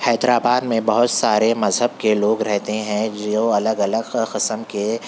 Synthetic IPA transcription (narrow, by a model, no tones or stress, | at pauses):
hɛːd̪ɾaːbaːd̪mẽbɐɦʊt̪saːɾemɐzɦəb̚keloːɡɾɛɦt̪eɦɛ̃d͡ʒoːɐləɡɐləɡqɪsəmke